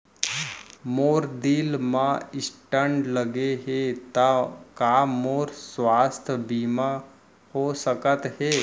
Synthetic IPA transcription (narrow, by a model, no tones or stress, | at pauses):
moːɾd̪ilmãɪsʈəɳɖləɡeɦet̪akaːmoːɾsʋaːst̪ʰəbiːma | hosəkət̪ɦeː